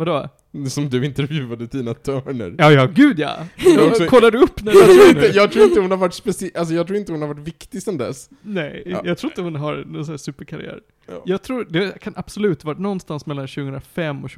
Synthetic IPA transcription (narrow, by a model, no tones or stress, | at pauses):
vad̪ɔ | sɔmd̪ɵɪnt̪ɛɾvjʉ̟ːad̪əd̪iːnat̪ʰœːɳə̰ɾjɑːjɑːɡʉ̟ːd̪ja̰sɔkʰɔlːad̪ɵɵpːnæt̪ʰɾuːɾɪnəjɑːɡt̪ʰɾuːɪnt̪əhʊnhaɾvaʈːspɛsɪʔals̬ɔjɑɡt̪ɾuːɪnt̪əhʊnhaɾvaʈ̬vɪkt̪ɪsɛnd̪ɛ̰s | nɛjjɑːɡt̪ʰɾuːɾɪnt̪əhʊnɦaɾnɔnsnːsʉ̟ːpəɾkʰaɾɪ̰æ̰ːɾ | jɑːɡ̚t̪ʰɾuːɾd̪ɛkʰanʔab̥sɔlʉ̟ːt̪vɑʈnɔnːst̪ansmɛlːanɕʉɡəənɾafɛmːɔɕʉ